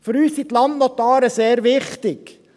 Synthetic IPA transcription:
føɾyːsit̪lɑnnɔt̪ɑːɾəseːɾʋɪχt̪ɪk

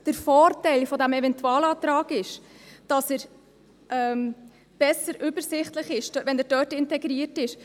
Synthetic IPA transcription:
d̥əɾfɔːrtɛɪlfɔdæmɛvɛntuɑːlɑːt̪ɾɑːɡɪʃd̥ɑsəɾ | ʔɛːm | b̥ɛsəɾʔʏbəɾsɪχtləχɪʃd̥ʋɛnæɾd̥œːtɪntɛɡɾiətɪʃ

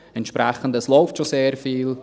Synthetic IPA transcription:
ɛntʃpɾæχəndəslɔʊftʃoseːɾfiːl

